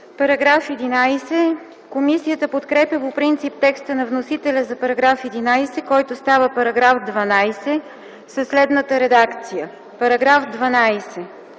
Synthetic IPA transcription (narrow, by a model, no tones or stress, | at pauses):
pɐɾɐɡɾafɛd̪inajsɛ | komisijət̪əpot̪kɾɛpjəpopɾint̪sip̚t̪ɛkst̪ənɐvnosit̪ɛlʲəzɐpɐɾɐɡɾafɛd̪inajsɛkɔjt̪ʊst̪avəpɐɾɐɡɾafd̪vɐnajsɛ | səslɛd̪nət̪əɾɛd̪akt̪sijə | pɐɾɐɡɾafd̪vɐnajsɛ